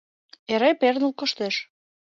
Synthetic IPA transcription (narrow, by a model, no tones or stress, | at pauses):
eɾepernəlkŏʃt̪eʃ